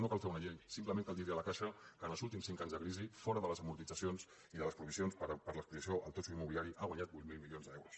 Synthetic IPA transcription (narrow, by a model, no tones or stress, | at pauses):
nokalˠfeɾunəʎejsimpləmẽŋkalˠd̪it̪ɾialəkaʃəkənəlˠzulˠt̪imsiŋkaɲzðəkɾizifɔɾəðələzəmuɾt̪id͡zəsions | iðələspɾuβisionspəɾpəɾləspliəsioʔəlˠt̪ot͡ʃuimːuβiliaɾiʔaɣwaɲat̪̚but̪milˠmilionzðɛwɾus